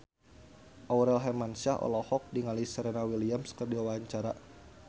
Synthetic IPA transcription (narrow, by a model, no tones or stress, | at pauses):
ʔawɾɛlɦɛmansaɦʔɔ̰lɔhɔk̚diŋalisəɾenawiliamskərdiwawaaɲt͡ʃaɾa